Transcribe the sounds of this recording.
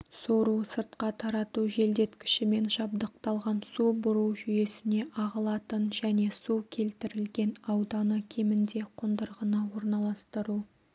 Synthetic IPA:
soɾusəɾt̪qɑt̪ʰɑɾɑt̪uʒe̞ld̪e̞t̪kʲɪ̥ʃɪme̞nʃɑb̚d̪əq̚t̪ɑlˠʁɑnsubʊɾuwʒʏje̞sɪne̞ʔɑʁəlˠɑt̪ənʒæne̞sukʲʰe̞lt̪ɪɾɪlɡʲe̞nɑwd̪ɑnəkʲʰe̞mɪnd̪e̞qʰond̪əɾʁənɑwo̞ɾnɑlˠɑst̪əɾu

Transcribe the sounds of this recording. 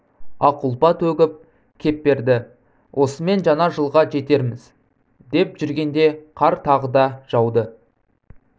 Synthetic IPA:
ɑqʊlˠpɑt̪ɵɡʲɪp̚ | kʲʰe̞p̚be̞ɾd̪ɪ | wʔo̞səme̞nʒɑnɑʒəlˠʁɑʒe̞t̪e̞ɾmɪz̥ | d̪e̞pʒʏɾɡʲe̞nd̪e̞qʰɑɾt̪ʰɑʁəd̪ɑʒ̥ɑwd̪ə

